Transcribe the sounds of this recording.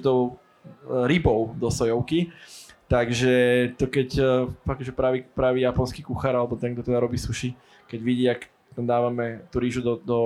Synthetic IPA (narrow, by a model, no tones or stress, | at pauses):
t̪ɔʊ | ɾibɔʊd̪ɔsɔjɔʊkit̪aɡʒɛt̪ɔkɛcfakʒɛpɾaʋipɾaːʋiːjapɔnskiːkuxaɾalɛbɔt̪ɛnɡ̚d̪ɔt̪ɛd̪aɾɔbiːsuʃi | kɛɟʋiɟiːak | t̪amd̪aːʋamɛt̪uɾiːʒud̪ɔd̪ɔ